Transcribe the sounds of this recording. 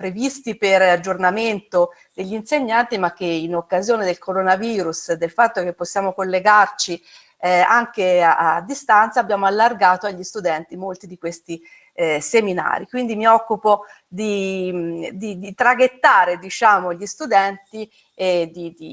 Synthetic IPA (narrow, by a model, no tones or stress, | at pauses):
pɾevist̪iperad͡ʒːornament̪o | d̪̥eʎːinseɲːant̪imak̟ːeinokːazjoːned̪elkoɾonaviːɾusd̪elfat̪ːok̟epːosːjaːmokolːeɡart͡ʃi | aŋkeaad̪ːist̪ant̪saːbːjaːmoalːarɡaːt̪oaʎːist̪ud̪ɛnt̪imolt̪id̪ikwest̪i | semina̰ːɾikwind̪imiɔkːupo | d̪i | d̪id̪it̪ɾaɡet̪ːaːɾed̪it͡ʃaːmoʎːist̪ud̪ɛnt̪i | ed̪id̪i